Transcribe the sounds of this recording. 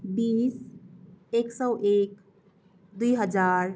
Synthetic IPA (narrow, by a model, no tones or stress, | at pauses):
biːs | eːksɔwʔeːk | d̪uiɦəd͡ʒaːɾ